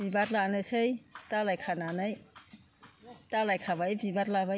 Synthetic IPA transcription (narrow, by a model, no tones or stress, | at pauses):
bibaɾlanɯsejtalajkʰananaj | talajkʰabajbibaɾlaβa